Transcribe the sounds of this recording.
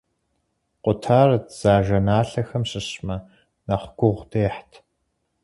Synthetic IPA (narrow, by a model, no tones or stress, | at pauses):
qʷʊtʰaːrɨtʰz̥aːʒɐnaːɬɐxɐmɕɪɕmɐ | nɐχʷɡʷʊʁʷdʰeːħtʰ